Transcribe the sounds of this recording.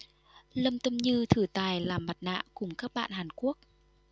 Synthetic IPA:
lə˧mt̪ə˧mɲɨ˧t̪ʰɨ˧˩t̪aː˨˩jlaː˨˩ma˨˩t̚na̰ː˧˨kʊ˨˧˩ŋ͡mkaː˦˥k̚ɓa̰ː˧˨nhaː˨˩nku˦˥ək̚

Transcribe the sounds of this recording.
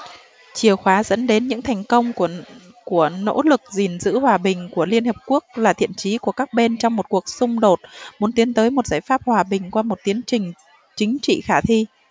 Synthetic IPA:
t͡ɕi˧˩əwxwaː˨˦zə̰˧˥nɗe˨˦nɲɨ̰˧˥ŋt̪ʰɛ˨˩jŋ̟kə˧wŋ͡m | ku˧˩əno̰˧˥lɨ˨˩k̚zi˨˩nzɨ̰˧˥hwaː˨˩ɓï˨˩ŋ̟ku˧˩əli˧ənhəː˨˩p̚ku˦˥ək̚laː˨˩t̪ʰḭ˧˨ənt͡ɕi˨˦ku˧˩əkaː˦˥k̚ɓe˧nt͡ɕɔ˧wŋ͡mmo˨˩t̚ku˨˩ək̚sʊ˧ŋ͡mɗo˨˩t̚mu˨˦nt̪i˨˦ənt̪əː˨˦jmo˨˩t̚zaː˧˩jfaː˦˥p̚hwaː˨˩ɓï˨˩ŋ̟kwaː˧mo˨˩t̚t̪i˨˦ənt͡ɕï˨˩ŋ̟ | t͡ɕï˨˦ŋ̟t͡ɕḭ˧˨xaː˧˩t̪ʰi˧

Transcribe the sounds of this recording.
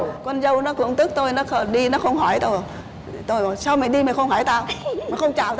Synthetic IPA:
kwə˧nzə˧wnɔ˨˦kṵ˧˥əŋt̪ɨ˦˥k̚t̪o˧jnɔ˨˦˥xə˧ɗi˧nɔ˨˦xə˧wŋ͡mɦɔ˧˩jt̪o˧˨˩ | t̪o˧jɔ˨˩sa˧wma˨˩ɗi˧ma˨˩xə˧wŋ͡mhɔ˧˩˦jt̪aː˧wmː˨˩xə˧wŋ͡mt͡ɕa̰ː˧˨wt̪

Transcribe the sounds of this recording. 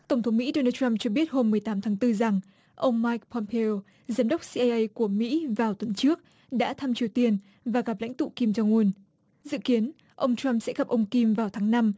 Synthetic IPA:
t̪ə˧˩ŋ͡mt̪ʰə˨˦ŋ͡mmḭ˧˥ɗo˧naː˧t͡ɕa˧mt͡ɕɔ˧ɓi˦˥ət̚ho˧mːɨ˨˩əjt̪aː˨˦mt̪ʰaː˨˦ŋt̪ɨ˧za˨˩ŋ | ʔə˧wŋ͡mːaː˧jk̚pɔ˧mpʰe˧o˧ | zaː˨˦mɗə˦˥wk͡p̚si˧ʔa˧jʔə˧jku˧˩əmḭ˧˥vaː˨˩wt̪wə˨˦nt͡ɕɨ˦˥ək̚ | ɗa̰ː˧˥t̪ʰa˧mt͡ɕi˨˩əwt̪i˧ən | vaː˨˩ɣa˨˩p̚la̰˧˥jŋ̟t̪ṵ˧˨ki˧mt͡ɕa˧wŋu˧ən | zɨ̰˧˨ki˨˦ən | ʔə˧wŋ͡mt͡ɕa˧msɛ̰˧˥ɣa˨˩p̚ʔə˧wŋ͡mki˧mvaː˨˩wt̪ʰaː˨˦ŋna˧m

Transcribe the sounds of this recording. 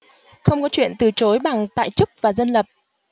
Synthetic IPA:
xə˧wŋ͡mkɔ˨˦t͡ɕwḭ˧˨ənt̪ɨ˨˩t͡ɕo˨˦jɓa˨˩ŋt̪a̰ː˧˨jt͡ɕɨ˦˥k̚vaː˨˩zə˧nlə˨˩p̚

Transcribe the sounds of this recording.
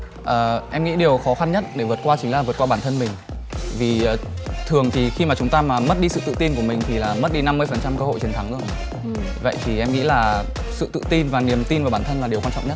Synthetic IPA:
ʔəː˨˩ʔɛ˧mŋḭ˧˥ɗi˨˩əwxɔ˨˦xa˧nɲə˦˥t̚ɗe˧˩vɨ˨˩ət̚kwaː˧t͡ɕï˨˦ŋ̟laː˨˩vɨ˨˩t̚kwaː˧ɓaː˧˩nt̪ʰə˧nmï˨˩ŋ̟ | vi˨˩ʔəː˨˩t̪ʰɨ˨˩əŋt̪ʰi˨˩xi˧maː˨˩t͡ɕʊ˨˦ŋ͡mt̪aː˧maː˨˩mə˦˥t̚ɗi˧sɨ̰˧˨t̪ɨ̰˧˨t̪i˧nk̬u˧˩əmï˨˩ŋ̟t̪ʰi˨˩laː˨˩mə˦˥t̚ɗi˧na˧mːɨ˧əjfə˨˩nt͡ɕa˧mkəː˧ho̰˧˨jt͡ɕi˨˦nt̪ʰa˨˦ŋʔɨ˧ə | və̰˧˨jt̪ʰi˨˩ʔɛ˧mŋḭ˧˥laː˨˩ | sɨ̰˧˨t̪ɨ̰˧˨t̪i˧nvaː˨˩ni˨˩əmt̪i˧nvaː˨˩ɓaː˧˩nt̪ʰə˧nlaː˨˩ɗi˨˩ə˩wa˧nt͡ɕɔ̰˧˨ɲə˦˥t̚

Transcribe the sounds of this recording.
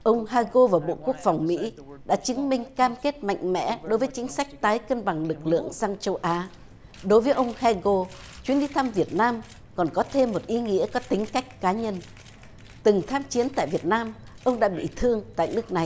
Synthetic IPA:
ʔə˧wŋ͡mɦaː˧ɣo˧vaː˨˩ɓo̰˧˨ku˦˥ək̚fa˨˩wŋ͡mmḭ˧˥ | ɗa̰ː˧˥t͡ɕɨ˨˦ŋmï˧ŋ̟kaː˧mke˦˥t̚ma̰˧˨jŋ̟mɛ̰˧˥ɗo˨˦jvəː˨˦jt͡ɕï˨˦ŋ̟sa˦˥jk̟̚t̪aː˨˦jkə˧nɓa˨˩ŋlɨ˨˩k̚lɨ̰˧˨əŋsaː˧ŋt͡ɕə˧wʔaː˨˦ | ɗo˨˦jvəː˨˦jʔə˧wŋ͡mha˧ɣo˧ | t͡ɕwi˨˦nɗi˨˧t̪ʰa˧mvi˨˩ət̚naː˧m | kɔ˨˩nkɔ˨˦t̪ʰe˧mːo˨˩t̚ʔi˨˦ŋḭ˧˥əkɔ˨˦t̪ï˨˦ŋ̟ka˦˥jk̟̚kaː˨˦ɲə˧n | t̪ɨ˨˩ŋt̪ʰaː˧mt͡ɕi˨˦ənt̪a̰ː˧˨jvi˨˩ət̚naː˧m | ʔə˧wŋ͡mɗa̰ː˧˥ɓḭ˧˨t̪ʰɨ˧əŋt̪a̰ː˧˨jnɨ˦˥ək̚na˨˩j

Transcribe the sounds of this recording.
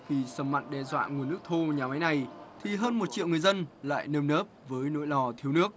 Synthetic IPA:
vi˨˩səː˧˩ma̰˧˨ŋɗɛ˧zwa̰ː˧˨ŋ˨ənːɨ˦˥ək̚t̪ʰo˧ɲaː˨˩ma˨˦jna˨˩jt̪ʰi˨˩ɦəː˧nm˨˩t̚t͡ɕḭ˧˨wŋ˨˩əjzə˧nla̰ː˧˨jnəː˧mnəː˦˥p̚vəː˨˦jno̰˧˥jlɔ˨˩t̪ʰi˧əwnɨ˦˥ək̚

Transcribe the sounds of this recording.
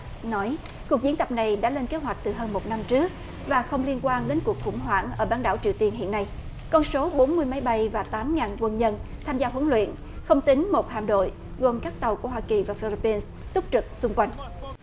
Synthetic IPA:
nɔ˨˦j | ku˨˩ək̚zi˨˦ənt̪ə˨˩p̚na˨˩jɗa̰ː˧˥le˧nke˨˦ɦwa˨˩jk̟̚t̪ɨ˨˩ɦəː˧nmo˨˩t̚na˧mt͡ɕɨ˦˥ək̚ | vaː˨˩xə˧wŋ͡mli˧ənkwaː˧nɗe˨˦nku˨˩ək̚xʊ̰˧˩ŋ͡mɦwa̰ː˧˩˨nʔəː˧˩ɓaː˧˩nɗa̰ː˧˩wt͡ɕi˨˧əwt̪i˧ənɦḭ˧˨ənːa˧j | kɔ˧nso˨˦ɓo˨˦nmɨ˧əjma˨˦jɓa˧jvaː˨˩t̪aː˨˦mŋaː˨˩nkwə˧nɲə˧nt̪ʰaː˧mzaː˧ɦwə˨˦ŋlwḭ˧˨ən | xə˧wŋ͡mt̪ï˨˦ŋ̟mo˨˩t̚ha̰ː˧˨mɗo̰˧˨j | ɣo˨˩mkaː˦˥k̚t̪ə˨˩wku˧˩əɦwaː˧ki˨˩vaː˨˩fi˧li˧pːi˧ns | t̪ʊ˦˥k͡p̚t͡ɕɨ˨˩k̚sʊ˧ŋ͡mkwa˧jŋ̟

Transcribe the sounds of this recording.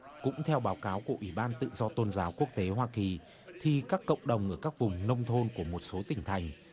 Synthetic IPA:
kʊ̰˧˥ŋ͡mt̪ʰɛ˧wɓaː˨˦wkaː˨˦wku˧˩əʔwi˧˩ɓaː˧nt̪ɨ̰˧˨zɔ˧t̪o˧nzaː˨˦wku˦˥ək̚t̪e˨˦ɦwaː˧ki˨˩ | t̪ʰi˨˧˩kaː˦˥kːə̰˧˨wŋ͡mɗə˨˩wŋ͡mʔəː˧˩kaː˦˥k̚vʊ˨˩ŋ͡mnə˧wŋ͡mt̪ʰo˧nku˧˩əmo˨˩t̚so˨˦t̪ï˨˩ŋ̟t̪ʰa˨˩jŋ̟

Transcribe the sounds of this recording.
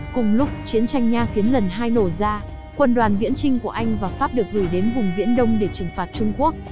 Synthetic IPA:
kʊ˨˩ŋ͡mlʊ˦˥k͡p̚t͡ɕi˨˦ənt͡ɕa˧jŋ̟ɲaː˧xi˨˦ənlə˨˩nɦaː˧jno˧˩zaː˧ | kwə˧nɗwaː˨˩nvḭ˧˥ənt͡ɕï˧ŋ̟ku˧˩əʔa˧jŋ̟vaː˨˩faː˦˥p̚ɗɨ˨˩ək̚zu˧˩jɗe˨˦nvʊ˨˩ŋ͡mvḭ˧˥ənɗə˧wŋ͡mɗe˧˩t͡ɕɨ˨˩ŋfaː˨˩t̚t͡ɕʊ˧ŋ͡mku˦˥ək̚

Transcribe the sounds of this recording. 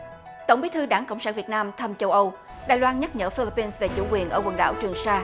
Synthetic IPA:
t̪o˧˩wŋ͡mɓi˨˦t̪ʰɨ˧ɗaː˧˩ŋkə̰˧˨wŋ͡msaː˧˥nvi˨˩ət̚naː˧mt̪ʰə˧mt͡ɕə˧wʔə˧w | ɗaː˨˩jlwaː˧nɲə˦˥t̚ɲə̰ː˧˥fi˧li˧pːi˧nsve˨˩t͡ɕṵ˧˥kwi˨˩ənʔəː˧˩wə˨˩nɗa̰ː˧˩wt͡ɕɨ˨˩əŋsaː˧

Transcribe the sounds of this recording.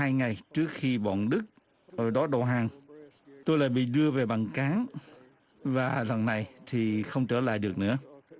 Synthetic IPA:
aː˧jŋa˨˩jt͡ɕɨ˦˥ək̚xi˧ɓɔ̰˧˨nɗɨ˦˥k̚ː | ɗɔ˨˦ɗo̰˧˨˩ɦaː˨˩ŋ | t̪o˧jla̰ː˧˨jɓḭ˧˨ɗɨ˧əve˨˩ɓa˨˩ŋkaː˨˦ŋ | vaː˨˩lwə˨˩nːa˨˩jt̪ʰi˨˩xə˧wŋ͡mt͡ɕəː˧˩la̰ː˧˨jɗɨ˨˩ək̚nɨ̰˧˥ə

